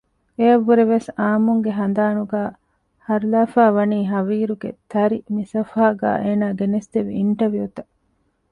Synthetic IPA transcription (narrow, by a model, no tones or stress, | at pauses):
eɐʋːuɾeʋesaːmuŋɡeɦɐnd̪aːnuɡaː | hɐɾlaːfaːʋɐniːɦɐʋiːɾuɡḛt̪ʰɐɾimisɐfaːɡa̰ːʔeːnaːɡenest̪eʋḭːɳʈɐʋijut̪ɐ